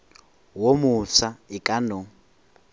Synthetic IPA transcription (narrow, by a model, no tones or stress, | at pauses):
womusaikʼano